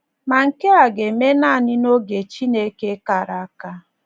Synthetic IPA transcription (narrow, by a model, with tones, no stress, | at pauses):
ma˨ŋ̩˨ke˦a˨ɡe˨me˦na˦˨nɪ˦no˦ɡe˨t͡ʃi˦ne˦ke˦ka˨ɾa˨a˦ka˦